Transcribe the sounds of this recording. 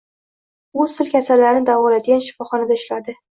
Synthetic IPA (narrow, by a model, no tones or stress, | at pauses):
ʊzt̪ʊlkʲʰasaɾlaɾɪnɪd̪avɒlad̪ɪɡʲanʃɪ̥fɒχɒnad̪aɪʃlaɾd̪ɪ